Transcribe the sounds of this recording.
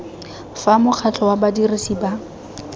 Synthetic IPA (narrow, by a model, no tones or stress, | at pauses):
famʊk͡xʰat͡ɬʰɔwabadirɪsiba